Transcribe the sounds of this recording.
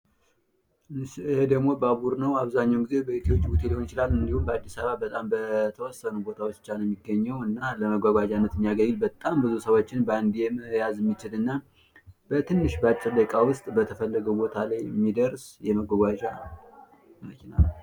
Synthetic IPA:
shed̪əɡmo̞bəaβuɾnəwaβzaɲːawmɡizebəit̪ʰiot͡ʃʼːiut̪ʰelihonjɪt͡ʃɪlalːɨnd̪ihumbəad̪ːisaβabət̪ʼambət̪ʰəwɔsːənubo̞t̪ʰawot͡ʃːt͡ʃːanjɛmːiɡːəɲːəwɨnːaləməɡʷaɡʷad͡ʒanːət̪mːijaɡəɲːɪlbət̪ʼambɨzusəwo̞t͡ʃːɪnbəand̪ijɛməjazɛmːit͡ʃɪlɨnːa | b̥ət̪ʰɨnːɨʃbat͡ʃʼːɛləkʼawʊst̪ʼbət̪ʰəfəlːəɡəwbo̞t̪ʰalajɛmːid̪əɾsjɛməɡʷaɡʷad͡ʒa | məkʰina̰n

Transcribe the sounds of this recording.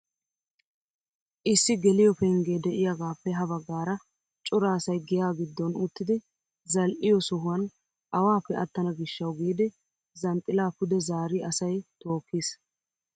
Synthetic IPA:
ʔɪsːɪɡɛlɪjɔpɛŋɡeːd̪ɛʔɪjɐɡaːpːɛɦɐbɐɡːaːɾɐ | t͡ʃʼʊɾaːsɐjɡɪjaːɡɪd̪ːɔnʊt̪ːɪd̪ɪ | zɐlʔɪjɔsʊɦʊwɐn | ʔɐwaːpːɛʔɐt̪ːɐnɐɡɪʃːɐwɡiːd̪ɪ | zɐnt̪ʼːɪlaːpʊd̪ɛzaːɾɪɐsɐjt̪o̞ːkːis

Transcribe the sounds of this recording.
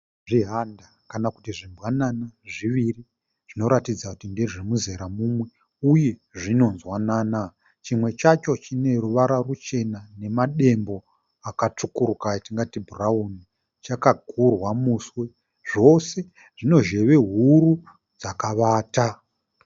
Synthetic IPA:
ʐiɦanda | kanakutiʐimbwananaʐiʋiri | ʐ̥ino̞ɾatid͡zakutindeʐemuze̞ɾamumwe̞ | uje̞ʐino̞nzwanaːna | t͡ʃimwe̞t͡ʃat͡ʃo̞t͡ʃine̞ruʋaɾarut͡ʃe̞nane̞maɗe̞mbo̞ | akat͡ʂukurukaitiŋɡatibʱurauni | t͡ʃakaɡʱurwamuswe̞ | ʐo̞se̞ | ʐ̥ino̞ʒe̞ʋe̞ɦuɾu | d͡zakaʋaːta

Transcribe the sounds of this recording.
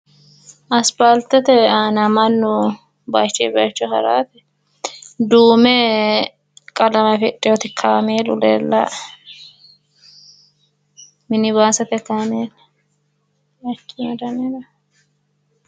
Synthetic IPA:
ʔɐspalt̪ɛt̪ɛanɐmɐnːʊ | bat͡ʃːɛbɐːt͡ʃːɔhɐ̰ɾa̰ːt̪ɛ | d̪uːmɛ | kʼɐlɐmɐfɛtʼːɪjɔt̪ɪkʰːaːmeːlʊ̰lḛːlːɐ̰ | mɪnɪβaːsɐt̪ɛkːaːmeːl | ɐkːɪmɛd̪ɐnelɐ

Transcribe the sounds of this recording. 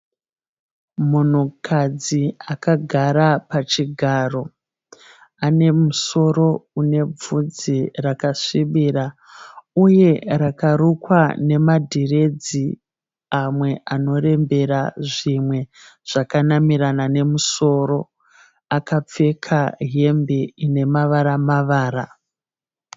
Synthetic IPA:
mun̤ukʰad͡ziakaɡʱaɾapat͡ʃiɡʱaːro̞ | ane̞muso̞ɾo̞une̞b͡vud͡zirakaʂiɓira | uje̞ɾakaɾukwane̞madʱire̞d͡zi | amwe̞ʔano̞re̞mbe̞ɾaʐimwe̞ | ʐ̥akanamiɾanane̞muso̞ɾo̞ | akap͡fe̞kʰaɦe̞mbeine̞maʋaɾamaʋaːɾa

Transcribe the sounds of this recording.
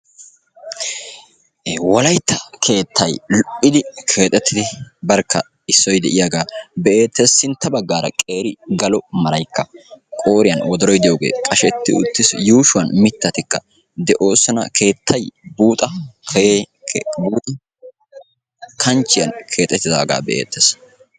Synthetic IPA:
wɔlɐjt̪ːɐkʰe̞ːt̪ʰːɐjlʊʔɪd̪ɪkʰe̞ːt̪ʼɛt̪ʰːɪd̪ɪbɐɾkʰːɐ | ɪsːɔjd̪ɛʔɪjaɡaːbeeːt̪ːɛsːɪnt̪ːɐbɐɡːaːɾɐ̰kʼe̞ːɾɪɡɐlɔmɐlɐjkʰːɐkʼo̞ːɾɪjɐnwɔd̪ɔɾɔjd̪ɛjoːɡḛːkʼɐʃɛt̪ːɪ̰ʊ̰t̪ːɪsjuːʃʊwɐnmɪt̪ːɐt̪ɪkːɐ | d̪ɛʔo̞ːsːɔnɐ̰kʰe̞ːt̪ʰːɐjbuːt̪ʼɐkʰː | buːt̪ʼɐ | kʰɐnt͡ʃːɪjɐnkʰe̞ːt̪ʼɛt̪ːɪd̪a̰ːɡa̰ːbɛʔḛːt̪ːeːs

